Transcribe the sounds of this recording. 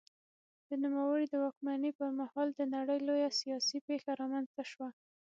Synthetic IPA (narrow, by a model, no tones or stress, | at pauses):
d̪̥ənumawəɽid̪əwɑkmanəpəɾmahɑld̪ənaɽəjlojasijɑsipexaɾɑmanz̥t̪aʃwa